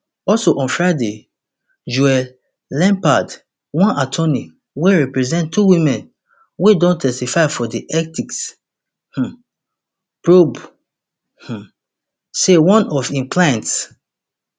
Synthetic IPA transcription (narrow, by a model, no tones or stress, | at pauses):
ɔlsoʔɔ̃nfɹaɪde | d͡ʒuɛ | lɛ̃mpad | wɔ̃nʔatʰɔni | weɹɛpɹɛzɛ̃ntʰːuwĩmɛ̃n | wedɔ̃ntʰɛstifaɪfɔdiʔɛk̚tiks | h̩ | pɹob | h̩ | sewɔ̃nɔfĩmpʰlãnts